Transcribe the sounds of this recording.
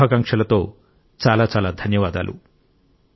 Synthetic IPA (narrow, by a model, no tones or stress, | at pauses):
ɐkɐŋkʂɐlɐt̪oː | t͡ʃaːlaːt͡ʃaːlaːd̪ʱɐnjɐʋaːd̪a̰ːlṵ